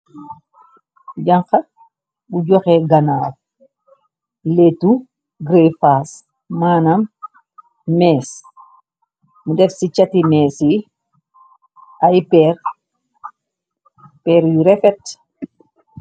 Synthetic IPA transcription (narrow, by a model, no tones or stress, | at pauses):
ɟɐŋqɐ | buɟɔxɛɡɐnaːf | letu | ɡɾefaːsː | aːnɐm | mɛːs | mudɛfsit͡ʃɐtimɛːsi | ɐjpɛr | pɛːɾjuɾɛfɛt